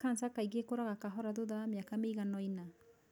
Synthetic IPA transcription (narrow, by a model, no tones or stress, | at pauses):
kansakajɡekɔɾaɡakaɦɔɾad̪od̪amiakamejɡanɔjna